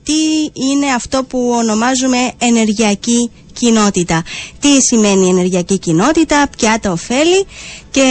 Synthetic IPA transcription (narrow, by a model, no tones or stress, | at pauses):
t̪iine̞ɐft̪o̞puo̞no̞mɐzume̞ːne̞ɾʝiɐci | cino̞t̪it̪ɐt̪isime̞nie̞ne̞ɾʝiɐcicino̞t̪it̪ɐpçɐt̪ɐofe̞lice̞